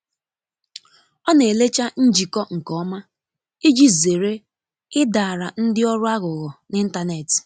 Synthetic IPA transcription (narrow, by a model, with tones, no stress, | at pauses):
ɔ˦ne˨le˦t͡ʃa˦n̩˦d͡ʒi˨kɔ˦ŋ̩˨kɔ˨˦ma˦ | i˦d͡ʒi˦ze˨ɾe˦ | ɪ˦da˨a˨ɾa˨n̩˦dɪ˦ɔ˦ɾʊ˦a˦ɣʊ˨ɣʊ˨nɪ˦n̩˦ta˦ne˨tɪ̥˨